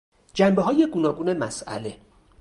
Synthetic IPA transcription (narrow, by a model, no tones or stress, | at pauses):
d͡ʒæmbeɦɒːje̞ɡunɒːɡuːne̞mæsʔæ̰le̞